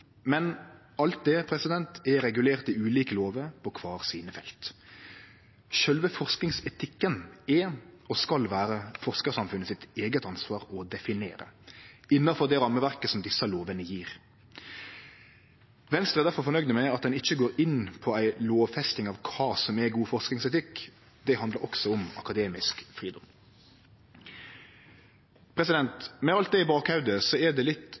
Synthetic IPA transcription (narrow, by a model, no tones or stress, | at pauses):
mɛn | ɑlt̪̚d̪ɛpʰɾɛsɪd̪ɛnt̪ɛɾɛɡʉleːʁt̪ɪʉːliːkəloːʋəpʰɔkʰʋɑːɾsiːnəfɛlt̪ | ʃœlʋəfɔʁsknɪŋsɛt̪ʰɪkːənɛɔskɑlʋæːɾəfɔʁskəsɑmfʉnːəsɪt̪eːɡət̪ɑnsʋɑːɾɔd̪ɛfɪnḛːɾə̰ɪnːɑfɔʁd̪ɛɾɑmːəʋæɾkəsɔmd̪ɪsːɑloːʋənəjiːɾ | ʋɛnst̪ɾəɛʁd̪æɾfɔɾfɔnœʏɡd̪əmæɪɑt̪̚d̪ɛnɪçːəɡoːɾɪnpʰɔæɪloːʋfɛst̪ɪŋɑʋkʰɑːsɔmæɡuːfɔʁsknɪŋsɛt̪ɪkː | d̪ɛhɑnd̪ləɾɔksɔɔmɑ̰kɑd̪eːmɪskfɾiːd̪ɔm | pʰɾɛsɪd̪ɛnt̪mɛɑlt̪̚d̪ɛɪbɑːkhɑʉd̪əsɔɛd̪ɛlɪt̪